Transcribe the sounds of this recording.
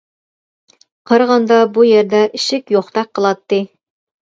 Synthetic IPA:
qʰɤɾʁɑnd̪ɑbujæɾd̪æʔɘ̆ʃɪkjoχt̪ɑq̚ːɤ̆lˠɑt̪ːɨ

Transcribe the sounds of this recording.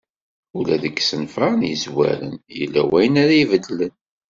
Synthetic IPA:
ulæðəɡsənfɑʁnjəzwæ̰ɾə̰njəlːæwæjənaɾæivəd̪lən

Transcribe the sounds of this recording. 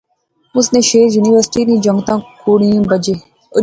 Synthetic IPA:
ʊsnẽːʃeːɾjuːniʋəɾsʈiːnĩːd͡ʒə̃ŋɡt̪ãːkʰuːɽĩãːbəd͡ʒeː | ʊ

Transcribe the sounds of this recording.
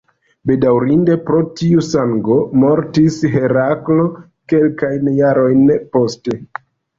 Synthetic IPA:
be̞dawɾinde̞pɾo̞tiusaŋɡo̞mo̞ɾtisɦe̞ɾaklo̞ | ke̞lkajnjaɾo̞jnpo̞ste̞

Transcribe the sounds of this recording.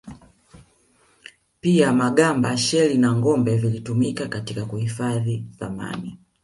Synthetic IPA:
piamaɡambaʃɛlinaŋɡɔmbɛvilitumikakatikakuhifaðiθa̰ma̰niia

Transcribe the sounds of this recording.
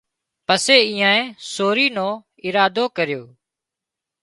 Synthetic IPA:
pəseːiːãːẽːsoːɾiːnõː | ɪɾaːd̪oːkəɾjoː

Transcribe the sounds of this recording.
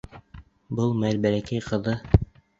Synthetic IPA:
bɤlˠmælbælækæjqɤ̆ðɤ

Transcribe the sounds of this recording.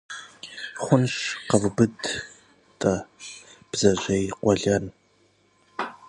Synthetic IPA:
χʷʊnɕqɐvbɨd | tʼɐ | b̥zɐʑejqʷɔɮɐn

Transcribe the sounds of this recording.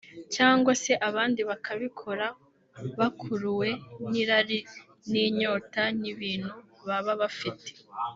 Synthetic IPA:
caːŋɡwase̞ʔaβaːndiβakʰaβikʰo̞ɾa | βakʰuɾuwe̞niɾaɾi | niɲo̞ːtaniβiːn̥hu | βaβaβafitʰe̥

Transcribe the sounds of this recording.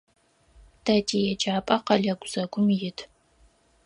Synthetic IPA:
d̥ɐdijɛd͡ʒaːpʼɐqɐɮɐɡʷʼz̥ɐɡʷʊmjɪtʰ

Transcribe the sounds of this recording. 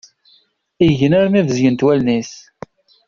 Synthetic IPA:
iʝənaɾmivəzjənt̪wælnis

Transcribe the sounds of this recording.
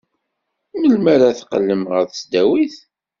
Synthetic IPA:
nəlmaɾaθqəlːəmʁəɾθəsd̪æwiθ

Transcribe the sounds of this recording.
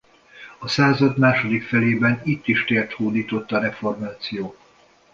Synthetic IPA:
ɒsaːzɒd̪maːʃo̞d̪ikfɛleːbɛnit̪ːiʃt̪eːrt̪huːd̪iːt̪o̞t̪ːɒɾɛfo̞rmaːt̪sijoː

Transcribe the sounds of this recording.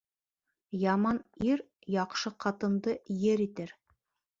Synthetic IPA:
jɑmɑniɾ | jɑqʃɤqɑt̪ɤ̆nd̪ɤjɘɾit̪ɘɾ

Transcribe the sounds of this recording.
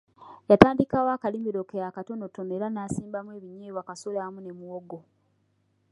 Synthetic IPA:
jataːndikawaːkalimiɾokejakato̞no̞toneɾanaːsiːmbamwe̞ːβiɲeːβwakasolamune̞muoɡo

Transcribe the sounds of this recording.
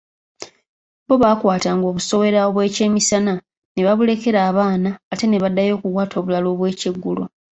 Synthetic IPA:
bo̞βaːkwaːtaːŋɡo̞ːβuso̞βe̞ɾaoβwe̞ːce̞ːmisana | neβaβule̞ke̞ɾaːβaːnaːte̞ne̞βadːajo̞ːkukwaːtʰo̞ːβulaloβwe̞ːceɡːulo

